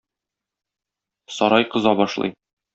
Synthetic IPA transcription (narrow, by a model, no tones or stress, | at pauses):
sɒɾɑjqɤ̆zɑbɒʃlˠɤ̰j